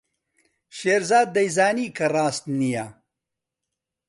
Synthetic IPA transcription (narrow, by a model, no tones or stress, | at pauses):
ʃeːɾzaːd̪̚ːɐjzaːniːkʰɐrˤaːst̪nija